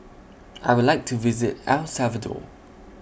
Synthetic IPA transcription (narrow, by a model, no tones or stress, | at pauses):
ʔa̰ɪwʊdlaɪk̚tʰuvɪzɪtalsavədɔ̰